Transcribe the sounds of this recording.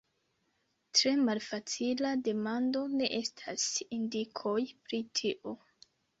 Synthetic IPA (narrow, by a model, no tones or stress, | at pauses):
tɾe̞malfat͡silade̞mando̞ne̞ʔe̞stʰasindikʰo̞jpɾitʰiʔo